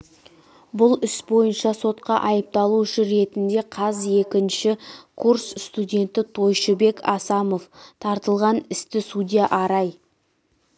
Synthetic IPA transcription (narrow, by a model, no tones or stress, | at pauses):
bʊlˠʏsbo̞jənʃɑso̞t̪qɑʔɑjəp̚t̪ɑlˠuʏʃəɾe̞t̪ɪnd̪e̞qʰɑzje̞kʲɪnʃɪkʰursst̪udʲe̞nt̪ɪt̪ʰo̞jʃəbe̞kɑsɑmo̞ft̪ʰɑɾt̪əlˠʁɑnɪst̪ɪsud̪ʲijaʔɑɾɑj